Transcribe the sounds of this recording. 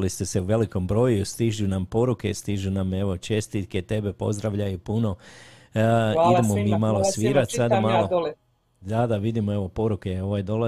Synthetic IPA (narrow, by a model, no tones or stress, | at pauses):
list̪e̞se̞uʋe̞liko̞mbɾo̞ːjust̪iʒunampo̞ɾuke̞̰st̪iʒuname̞ʋo̞t͡ʃe̞st̪it̪ke̞t̪e̞be̞po̞̰zd̪ɾaʋʎajupuno̞ | id̪e̞momiːmalˠo̞sʋiːɾat̪sad̪amalo | d̪ad̪aʋid̪imoe̞ʋo̞po̞ɾukeo̞ʋajd̪o̞la